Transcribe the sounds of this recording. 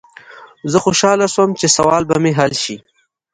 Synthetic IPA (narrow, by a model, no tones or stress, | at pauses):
zəxoʃɑlaswəmt͡ʃesawɑːlbameɦalʃi